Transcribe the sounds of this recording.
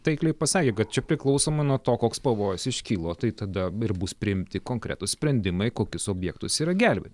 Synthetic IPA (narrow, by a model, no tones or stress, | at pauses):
t̪ɐɪklʲɛɪpɐsɑːkʲeːkɐt̪̚t͡ʃʲɛpʲɾʲɪklˠɒʊsoːmɐɪnuɔt̪oːkoːkspɐʋoːjʊsɪʃʲkʲiːlˠoːt̪ɐɪt̪ɐd̪ɐɪɾbʊspʲɾʲɪɪmʲt̪ʲɪkoːŋkɾʲæ̰t̪ʊssʲpʲɾʲɛnʲd̪ʲɪmɐɪkoːkʲʊsoːbʲjɛːk̚t̪ʊsiːɾɐɡʲæˑlʲbʲḛt̪ʲ